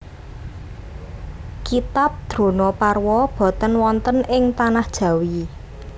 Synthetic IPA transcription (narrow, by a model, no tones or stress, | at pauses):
kit̪ap̚d̪̥ɾo̤nɔparwɔb̥ɔ̤t̪ənwɔnt̪ənɪŋt̪anahd̥ʒ̥ä̤wi